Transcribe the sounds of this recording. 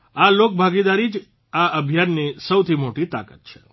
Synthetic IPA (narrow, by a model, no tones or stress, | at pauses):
alok̚bʱaɡid̪aɾid͡ʒ | aəbʱjanːisəwt̪ʰimoʈit̪a̰kət̪̚t͡ʃʰe̥